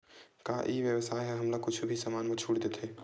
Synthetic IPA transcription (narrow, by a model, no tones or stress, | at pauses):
kaːʔiːʋjəʋsaːjɦɛɦɐmlakʊt͡ʃʰubʱisɐmaːnmẽt͡ʃʰuːɽd̪eːt̪ʰeː